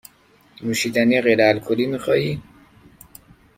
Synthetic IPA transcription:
nuːʃid̪æniːɣeɾæælkʰoliːmixɒːi

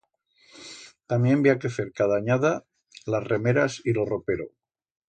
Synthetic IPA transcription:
t̪amje̞mbeakeθeɾkaðaːɲaða | lasremeɾasiloropeɾo

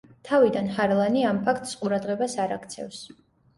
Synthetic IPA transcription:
t̪ʰavid̪anhaɾlˠaniampʰakʰt̪ʼsqʼuɾad̪ʁɛbasaɾakʰt̪sʰɛ̰fs

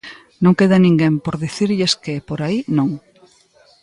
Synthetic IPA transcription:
nõŋkeðanĩŋɡempoɾðiθiɾʎeskepoɾainõŋ

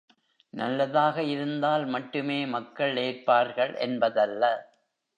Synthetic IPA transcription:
nɐ̰lːɐðaːɣɐɪɾɯnd̪aːlmɐʈːɯmeːmɐkːɐɭeːrpaːɾɣɐɭʔɛ̰nbɐðɐlːɐ

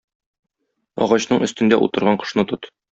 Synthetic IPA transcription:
ɒ̰ʁɑɕnɤɴɵ̆st̪ɘ̆nd̪æʔṵt̪ɤ̆ɾʁɑɴqɤ̥̆ʃnɤt̪ot̪

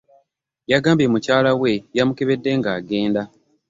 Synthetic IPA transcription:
jaɡaːmbemucaːlawe̞jamuke̞βe̞dːe̞ŋɡaːɡe̞ːnda

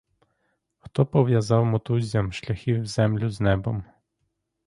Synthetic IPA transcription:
xt̪ɔpɔʋjɐzɑwmɔt̪uzʲjɐmʃlʲɐxʲiwzɛmlʲʊznɛbɔm

